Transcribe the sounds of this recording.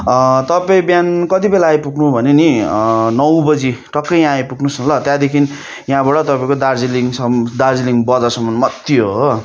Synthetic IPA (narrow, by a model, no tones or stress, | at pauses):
t̪ʌpaĩbjankʌt̪ibelaːjpuknubʱʌneninʌwbʌd͡ziʈʌkːʌjjãajpuknusʌlʌt̪jãd̪ekʰin | jãbaɽʌt̪ʌpaĩkod̪ard͡ziliŋsʌd̪ard͡ziliŋbʌd͡zʌsʌmːʌnmʌt̪joɦo